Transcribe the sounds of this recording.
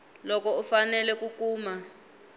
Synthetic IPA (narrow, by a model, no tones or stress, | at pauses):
lɔkɔufanɛlɛkukuːma